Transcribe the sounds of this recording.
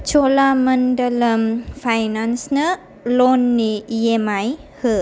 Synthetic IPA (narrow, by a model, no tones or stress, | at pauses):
t͡ʃolamɐndɐlɐmpʰajnansnɐ | lonːijemajhɯ